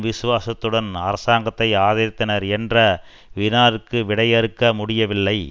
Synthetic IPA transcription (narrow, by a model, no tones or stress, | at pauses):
ʋɪsɯʋaːsɐt̪ːɯɽɐnɐɾɐsaːŋɡɐt̪ːɐɪaːðɐɾɪt̪ːɐnɐɾɛndrɐ | ʋɪnaːɾɯkːɯʋɪɽɐjɛɾɯkːɐmʊɽɪjɐʋɪlːɐɪ